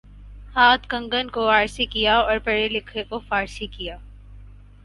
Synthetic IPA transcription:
haːt̪ʰkɐ̃ŋɡənkoaːɾsikijaɔːɾpɛɽelɪkʰekofaːɾsikijaː

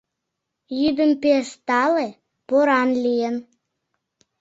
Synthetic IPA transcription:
jyd̪əmpeʃt̪ɑle | poɾɑnlʲijən

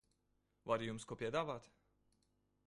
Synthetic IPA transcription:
vaɾijumskuɔpʲiɛd̪aːvaːt̪

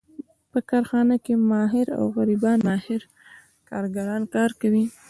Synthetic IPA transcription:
pəkɑɾxɑnakemɑɦɪɾa̰wɣaɾibɑnmɑhɪɾ | kɑɾɡaɾɑnkɑɾkawi

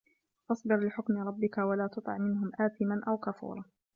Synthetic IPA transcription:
ʔɑsˤbɨɾlɪħʊkmɪɾˤɑbːɪkawalaːt̪ʊt̪ˤɑ̰ʕmɪnɦʊmʔaːθɪmanʔawkafṵːɾˤɑː

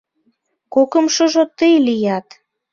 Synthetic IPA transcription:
kokə̆mʃoʒot̪əjlijɑt̪

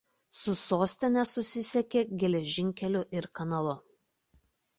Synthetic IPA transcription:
sʊsoːsʲt̪ʲɪnʲɛsʊsʲɪsʲɛkʲeːɡʲɛlʲɛʒʲɪŋʲkʲɛlʲʊʔɪɾkɐnɐlˠʊ

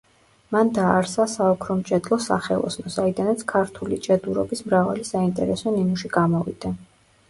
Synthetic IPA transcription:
mand̪aːɾsasaɔkʰɾɔmt͡ʃʼɛd̪lˠɔsa̰χɛlˠɔ̰snɔsaid̪anat̪sʰkʰaɾt̪ʰulit͡ʃʼɛd̪uɾɔ̰bismɾava̰lisaint̪ʼɛɾɛsɔninuʃiɡamɔvḭd̪̥a

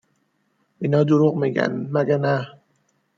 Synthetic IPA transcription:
inɒːd̪oɾuɣmiːɟæ̰nmæɡænæ

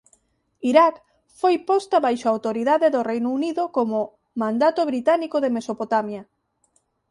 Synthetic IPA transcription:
iɾak | fojpɔst̪aβajʃoawt̪oɾiðaðeðorejnouniðokomo | mãnd̪at̪oβɾit̪anikoðemesopot̪amja

